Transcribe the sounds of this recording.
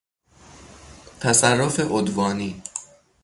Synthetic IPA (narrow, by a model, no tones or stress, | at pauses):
t̪ʰæsærːofeʔod̪vɒːniː